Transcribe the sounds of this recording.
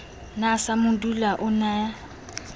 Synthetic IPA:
nasamʊdulaʔʊnaːja

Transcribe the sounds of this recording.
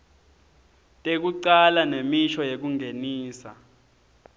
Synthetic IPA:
tʼek̬uǀalanemiʃɔjek̬uŋʱeniːsa̰

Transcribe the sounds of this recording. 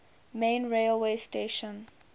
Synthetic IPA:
mẽːnɹelweːsteʃə̃n

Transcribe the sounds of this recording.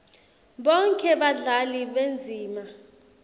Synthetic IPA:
ɓɔŋkʰʼɛɓaɮaliɓend͡zʱiːma

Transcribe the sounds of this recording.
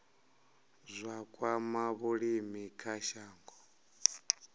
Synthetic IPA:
zʷakʼwamaβuɺimikʰaʃaːŋɡɔ

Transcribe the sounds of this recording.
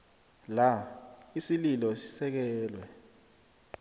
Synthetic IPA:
laisililɔsi̥sɛk̬ɛːlwɛ

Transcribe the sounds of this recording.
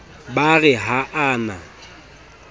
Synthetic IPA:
baɣɛɦaʔaːna̰

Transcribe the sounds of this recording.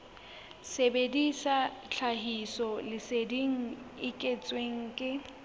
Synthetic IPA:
sebedisat͡ɬʰaɦisɔlɪsediŋ̩ɪkʼet͡sʼweŋ̩kʼɪ

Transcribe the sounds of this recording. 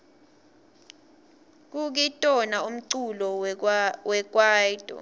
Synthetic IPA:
k̬uk̬itʼɔnaum̩ǀulɔ | wɛk̬ʼwaːjtʼɔ̰

